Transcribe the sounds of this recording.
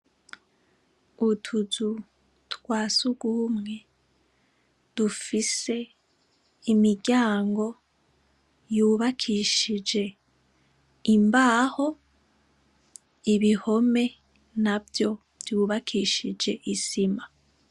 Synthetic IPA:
utʰuzu | twaːsuɡumŋe̞ | d̥ufise̞ | imiɟaːŋɡo̞ | juːβakʰiʃid͡ʒe̞ | imbaːho̞ | iβiho̞me̞ | navjo̞ | juːβakʰiʃid͡ʒe̞ʔisima

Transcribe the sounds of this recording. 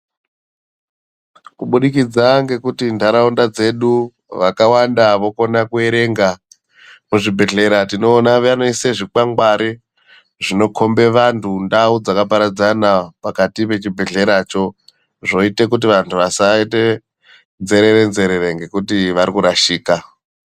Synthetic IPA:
kuɓuɗikid͡zaŋɡe̞kutindaɾaundad͡ze̞ɗu | ʋakawandaʋo̞ko̞nakue̞ɾe̞ŋɡa | muʐibʱe̞ɮe̞ɾatino̞ːnaʋeanoiseʐik͡paŋɡwaɾi | ʐino̞kʰo̞mbe̞ʋantʰundaud͡zakapaɾad͡zanapakatipe̞t͡ʃibʱe̞ɮe̞ɾat͡ʃo̞ | ʐo̞itekut̬iʋantʰuʋasaete̞ | nze̞ɾe̞ɾe̞nze̞ɾe̞ɾeŋɡe̞kutiʋaɾikuɾaʃiːka

